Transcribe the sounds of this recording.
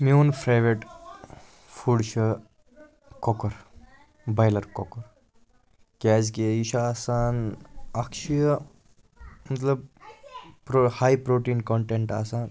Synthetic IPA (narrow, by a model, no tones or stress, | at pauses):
meunpʰɾajʋeʈ | fʰuɽʃʰɐ | kɔkɔɾ | bajlɐɾkɔkɔɾ | kaːzkeiʃaaːsaːnakʃij | mɐt̪ləb̚ | pɾohaːjpɾoʈiːnkɔɳʈeɳʈa̰ːsaːn